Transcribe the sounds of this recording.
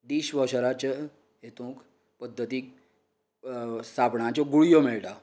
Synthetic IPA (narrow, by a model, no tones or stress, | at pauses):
ɖiːɕʋəɕaɾat͡ɕa | ɦet̪õk | pəd̪ʱːət̪iːk | sapɳãt͡ɕɔɡuɭijomeɭʈa